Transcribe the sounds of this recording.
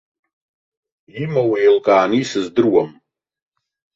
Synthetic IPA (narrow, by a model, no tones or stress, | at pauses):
imawejlkʼaːnisɨzdɨrwam